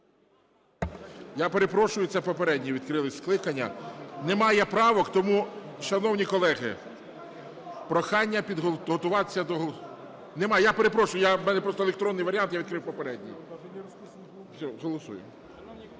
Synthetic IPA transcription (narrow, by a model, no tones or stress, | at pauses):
japeɾe̞pɾɔʃʊjʊt̪sɛpɔpeɾɛdʲnʲiʋʲid̪kɾɪlˠɪsʲklˠɪkɐnʲːɐ̰nɛmɑjɛpɾɑʋɔkt̪ɔmuʃɐnɔwnʲikɔlˠɛɦɪ̰ | pɾɔxɑnʲːɐpʲid̪ɦɔɦɔt̪ʊʋɑt̪e̥sʲːɐd̪ɔɦˠ | nɛmɑjɛjape̞ɾe̞pɾɔʃʊjʊjamɛnɛpɾɔst̪ɔelekt̪ɾɔnːɪjʋɐɾʲɑnt̪jaʋʲid̪kɾɪwpɔpeɾɛdʲnʲḭ | sʲɔɦɔlˠɔsṵjʊ̰